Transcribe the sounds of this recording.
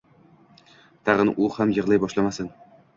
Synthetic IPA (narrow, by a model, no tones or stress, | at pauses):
t̪ʰaʁɨnʔʊhamjɨʁlˠajbɒʃlamasɪn